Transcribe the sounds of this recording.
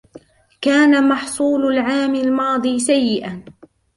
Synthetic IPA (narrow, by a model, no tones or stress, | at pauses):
kaːnamɑħsˤuːlʊlʕaːmɪlmɑːd̪ˤiːsajːɪʔa